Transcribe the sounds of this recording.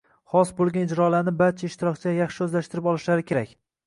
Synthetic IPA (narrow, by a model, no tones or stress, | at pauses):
χɒsbolˠɡʲanɪd͡ʒɾɒlaɾnɪbaɾt͡ʃʰaɪʃt̪ɪɾɒkʲt͡ʃʰɪajɑχʃɪɵzlaʃt̪ɪɾɪpɒlˠɪʃlaɾɪkʲʰe̞ɾakʲ